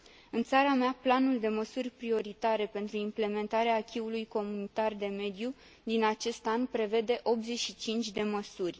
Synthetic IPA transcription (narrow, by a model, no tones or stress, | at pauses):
ɨnt̪saɾameaplanuld̪e̞məsurʲpɾio̞ɾit̪aɾe̞pe̞nt̪ɾuimple̞me̞nt̪aɾeaːkʲiulujko̞munit̪ard̪e̞me̞d̪ju | d̪inat͡ʃe̞st̪anpɾe̞ve̞d̪e̞ʔo̞p̪̚ze̞ʃit͡ʃint͡ʃʲd̪e̞məsurʲ